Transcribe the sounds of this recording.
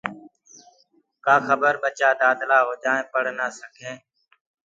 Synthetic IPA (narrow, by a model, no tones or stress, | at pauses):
kaːxəbəɾɓət͡ʃaːd̪aːd̪laːɦoːd͡ʒãːẽːpəɽ̤naːsəkʰẽː